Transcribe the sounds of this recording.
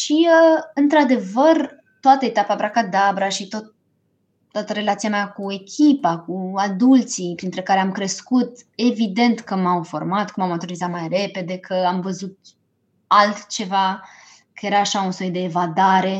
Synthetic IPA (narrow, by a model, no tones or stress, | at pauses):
ʃiəɨnt̪ɾad̪e̞vər | t̪oat̪əet̪apabɾakad̪abɾaʃit̪ot̪ | t̪ːoat̪əɾe̞lat̪siameakue̞kʲʰipakuad̪ult̪sipɾint̪ɾe̞kaɾeamkɾe̞skut̪e̞vid̪e̞nt̪kəmawfo̞̰rmat̪kəmawmat̪oɾizat̪majre̞pe̞d̪e̞kʰəamvəzut̪ | alt̪t͡ʃe̞va | kəje̞ɾaːʃaunsojd̪e̞ːvad̪aɾe̞